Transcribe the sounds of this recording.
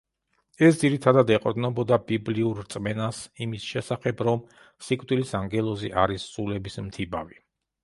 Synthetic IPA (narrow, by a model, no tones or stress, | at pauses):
ɛsd̪ziɾit̪ʰad̪ad̪ɛqʼɾd̪nɔbɔd̪abibliuɾɾt̪sʼmɛnasimisʃɛsaχɛbɾɔm | sikʼvd̪ilisaŋɡɛlˠɔziʔaɾissʼulɛbismt̪ʰibavi